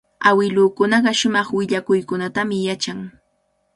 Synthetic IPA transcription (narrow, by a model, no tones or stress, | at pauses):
awɪlʊːkʊnɑɢɑʃʊmɑχwɪʎakʊjkʊnat̪amɪjat͡ʃaŋ